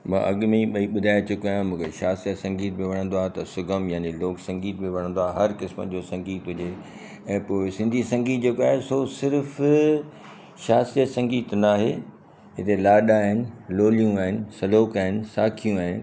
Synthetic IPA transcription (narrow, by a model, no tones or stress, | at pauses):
mã̰ʔɐɠmẽɓɐiɓʊd̪ʱaːet͡ɕʊkjãmũːkʰeʃaːsijət̪sɐ̃ŋɡiːt̪̚bɪ̃ʋɐɽ̃ə̃nd̪oaːɦet̪ɐsʊɡʱəmjaːneloːksɐ̃ŋɡiːt̪̚bɪ̃ʋɐɽ̃ə̃nd̪oaːɦɦɐɾkɪsmə̰d͡ʑoːsɐ̃ŋɡiːt̪ɦʊd͡ʑe | ɛ̃ːpoːɪsɪ̃nd̪ʱisɐ̃ŋɡiːt̪̚d͡ʑekoaːɦesosɪɾf | ʃaːsijət̪sɐ̃ŋɡiːt̪naːɦeː | ɦɪt̪elaːɗaɦɪnɪ̆loːlijũaːɦɪnɪ̆sɐloːkaːɦɪnɪ̆saːkʰijũaːɦɪnɪ̆